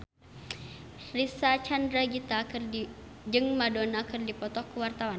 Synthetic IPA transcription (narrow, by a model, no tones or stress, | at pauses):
risat͡ʃandɾaɡit̪akɨri | d͡ʒɨŋmadɔnakʰɨrdipɔt̪ɔkːəwart̪awan